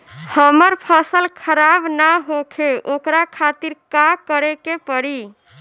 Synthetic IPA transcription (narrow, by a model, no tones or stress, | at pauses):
həməɾpʰəsəlkʰəɾabnaɦokʰeʔokɾakʰat̪iɾkakəɾekepəɾi